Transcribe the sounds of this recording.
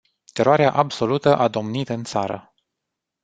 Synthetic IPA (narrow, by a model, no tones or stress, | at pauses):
t̪e̞ɾoaɾeaʔabso̞lut̪əʔad̪o̞mnit̪ɨnt̪saɾə̰